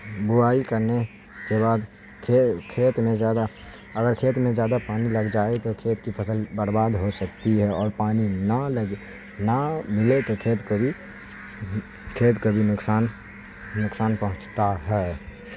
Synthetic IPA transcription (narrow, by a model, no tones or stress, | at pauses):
bʊaːikɐɾne | keβaːd̪ | kʰekʰeːt̪mẽzjaːd̪a | ɐɡəɾkʰeːt̪mẽzjaːd̪apaːnilɐɡd͡ʒaːet̪okʰeːt̪kipʰəsəlbəɾbaːd̪ɦosɐk̚t̪iɦɛɔːɾpaːninaləɡ | namɪlet̪okʰeːt̪kobʱi | kʰeːt̪kobʱinʊksaːn | nʊksaːnpɐɦʊ̃t͡ʃt̪aɦɛː